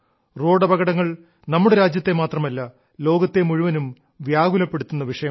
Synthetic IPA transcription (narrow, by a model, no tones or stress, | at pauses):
ro̞ːɽɐbɐɣɐɽɐŋːɐɭ | nɐmːuɽe̞ɾaːd͡ʑjɐt̪ːe̞maːt̪rɐmɐlːɐ | lo̞ːɡɐt̪ːe̞muɻuʋɐnum | ʋjaːɡulɐpːe̞ɽut̪ːunːɐʋiʂɐjɐm